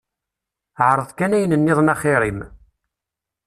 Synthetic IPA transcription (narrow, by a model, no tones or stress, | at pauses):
ʕɾˤəðˤkænæjənənːɪðˤnɑχɪɾim